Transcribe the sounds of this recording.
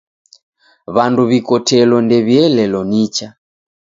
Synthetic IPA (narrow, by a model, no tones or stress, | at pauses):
βanduβikɔtʰɛlɔndɛβiɛlɛlɔnit͡ʃa